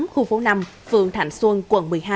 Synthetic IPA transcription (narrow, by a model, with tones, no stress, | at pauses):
mxu˧˩fo˨˦na˧mfɨ̰˧˨əŋt̪ʰa˧˩jŋ̟swu˧ənkwə̰˧˩nmɨ˨˩əjɦaː˧